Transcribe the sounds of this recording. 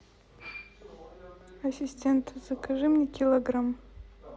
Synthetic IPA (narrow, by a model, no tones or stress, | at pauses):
ɐsʲisʲtʲent̪ʰz̥akaʐɨmnʲɛkʲʰilˠɐɡram